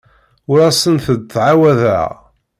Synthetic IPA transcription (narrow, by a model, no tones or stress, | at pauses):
ʊɾæsənθəd̪θʕawæðə̰